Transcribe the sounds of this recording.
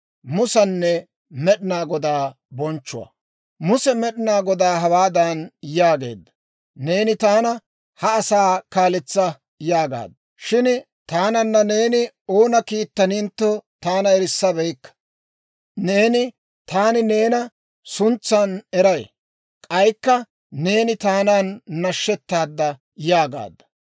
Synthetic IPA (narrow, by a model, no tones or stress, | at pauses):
mʊsɐnːɛ | mɛɗɪnaːɡɔd̪aː | bɔnt͡ʃːʊwɐ̰ | mʊsɛmɛɗɪnaːɡɔd̪aːɦɐwaːd̪anjaːɡe̞̰ːd̪ːɐ | ne̞ːnɪt̪aːnɐ | hɐːsaːkaːlɪt͡sːɐ | jaːɡa̰ːd̪ɐ | ʃɪn | t̪aːnɐnːɐne̞ːnɪ | o̞ːnɐkiːt̪ːɐnɪnt̪ːɔt̪aːnɐɛɾɪsːɐbɛjkːɐ̥ | ne̞ːnɪ | t̪aːnɪne̞ːnɐ | sʊnt͡sːɐnɛɾɐj | kʼɐjkːɐ | ne̞ːnɪt̪aːnaːnːɐʃːɛt̪ːaːd̪ːɐ | jaːɡa̰ːd̪ːɐ̥